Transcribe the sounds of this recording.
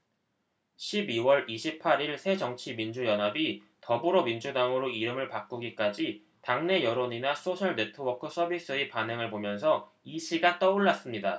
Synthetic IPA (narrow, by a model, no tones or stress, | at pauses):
ɕʰibiwʌɾiɕʰipʰaɾiɭsʰe̞d͡ʑʌŋt͡ɕʰimind͡ʑujʌnɦabi | tʌbuɾomind͡ʑudaŋɯɾoiɾɯmɯɭpak͈uɡik͈ad͡ʑi | taŋne̞jʌɾoɲinasʰoɕʰʌɭnetʰɯwʌkʰɯsʰʌbis͈ɯepaneŋɯɭpomjʌnsʰʌ | iɕʰiɡat͈ʌuɭːas͈ɯmɲida